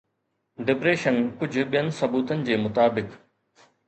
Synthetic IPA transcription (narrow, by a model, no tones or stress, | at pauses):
ɖɪpɾeːʃənkʊd͡ʑʱʊɓijənɪ̆sɐbuːt̪ənɪ̆d͡ʑeːmʊt̪aːbɪk